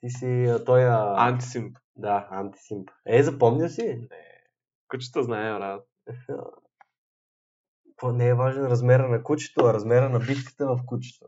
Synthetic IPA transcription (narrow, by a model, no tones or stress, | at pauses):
t̪isit̪ɔjəa̰nt̪̬i̥simp | d̪aant̪i̥simpɛzɐpɔmnʲəsinɛ̰ | kut͡ʃi̥t̪əznaɛɾat̪ | k̪onɛːvaʒɛnɾɐzmɛɾənɐkut͡ʃi̥t̪oɐɾɐzmɛɾənɐbit̪̚k̪i̥t̪ɛvɐfkut͡ʃi̥t̪o